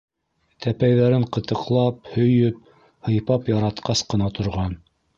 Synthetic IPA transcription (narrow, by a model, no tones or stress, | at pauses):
t̪ʰæpæjðæɾɘɴqɤ̆t̪ɤ̆qlˠɑp̚hɵ̆jɵp̚ | hɤ̆jpɑpjɑɾɑt̪qɑsqɤ̆nɑt̪ʰŏɾʁɑn